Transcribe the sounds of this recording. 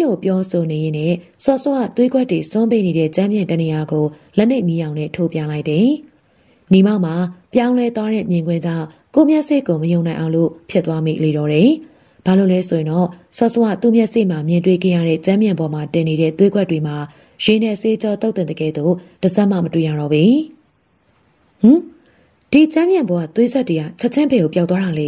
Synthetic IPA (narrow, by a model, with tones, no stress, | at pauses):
lo˨pjɔ˦so˨ne˨je˨˦nɛ˦˨sɔ˦˨sə˦˨wä̰˦˨t̪we˦ɡwɛ˦˨tːwe˨sʊ̃˦mpe˦˨ne˨ɾɛ˦˨t͡ɕã˦mjɪ̃˨ntə˨ni˨ja˨ɡo˨lɛ˦ʔn̥e˦ɪʔmi˦jã˨ʊ̃nɛ˦˨tʰo˦˨pjã˨la˦ɪtːɛ˨ | ni˨ma˦ʊʔma˨pjã˦ʊ̃lɛ˦t̪wa˦ɾɛ̰˦˨mjɪ̃˨ŋɡwɪ̃˦d͡ʑã˦˨ | ko˦˨mjɛ˦ʔsḛ˦˨ko˨məjõ˨ʊ̃nã˨ɪ̃ʔã˨ʊ̃lo̰˦˨pʰjɪ˦t̪ːwa˦mḭ˦ʔle˨ɾɔ˨˦ɾɛ˨ | b̥a˨lo˦˨lɛ˦so˨jɪ̃˨nɔ˦˨sɔ˦zo˨wa̰˦˨t̪u˦˨mjɛ˦ʔsḛ˦˨m̥a˨mjɪ̃˨ntwe˦˨ɡɛ̰˦˨ja̰˦˨ɾɛ̰˦˨t͡ɕã˦mbjɪ̃˨bɔ˨ma˨tɪ̃˨ne˨ɾɛ̰˦˨t̪we˦ɡwɛ˦tːwe˨ma˨ | jɪ̃˨nɛ˦˨se˦t͡ɕɔ˦t̪o˦ʊt̪ɪ̃˨d̪əɡɛ̰˦˨d̪o˦˨d̥ə˨za˦ʔma̰˦˨mətwḛ˦˨ja̰˦˨ɾɔ̰˦˨bi˨ | h̩˨ | d̥i˨t͡ɕã˦mjã˨bɔ˨a˦˨t̪we˦zɛ˦twe˨ɡa˦˨t͡ɕʰɛ˦ʔt͡ɕʰɪ̃˦bɛ˨o˨pja˨t̪wa˦ɾa˨lɛ˨